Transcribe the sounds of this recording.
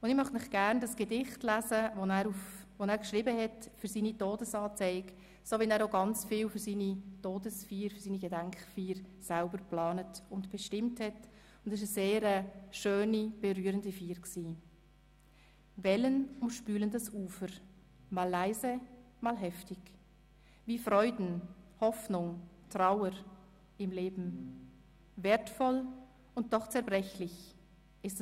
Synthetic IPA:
ʊndɪmœχnɪχɡ̥æɾndɑsɡ̥edɪχtlæzəonæːɾufvonæːɾkʃʁɪːbəhɛtfyɾsiːnitoːdəsɑːt͡sɛɪk | soːvɛnæːɾoɡɑnt͡sfiːlfʏɾsiːnitoːdəsfiːɾfʏɾsiːniɡedæŋkχfiːɾsalbəɾplɑːnətʊntb̥ɛʃtɪmthɛt | ʊndɪʃ̬əseːɾəʃøːnib̥ɛɾyːəɾəndifiːɾksiː | vɛlənʊmʃpyːləndəsʔuːfəɾ | maːlːaɪzə | maːlɦɛftɪɡ | viːfʁɔʏdn̩hɔfnʊŋtʁ̥aʊəɾ | ɪmleːbm̩ | veːɐtfɔl | ʊnt̚d̥ɔχt͡sɛɐbʁɛçlɪç | ɪst

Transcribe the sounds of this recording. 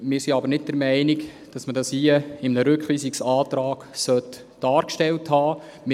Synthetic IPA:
mɪːɾsiɑbəɾnɪt̚d̥ɛɾmæɪnɪk | d̥ɑsmədɑshiəɪmnəɾʏkχliːsiksɑːtɾɑːɡ̥sœt | d̥ɑːɾkʃtɛlthɑː | m

